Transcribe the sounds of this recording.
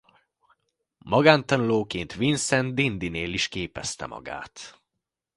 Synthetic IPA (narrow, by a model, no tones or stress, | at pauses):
mɒɡaːnt̪ɒnuloːkeːnt̪ʋinsɛnd̪ind̪ineːliʃkeːpɛst̪ɛ̰mɒ̰ɡa̰ːt̪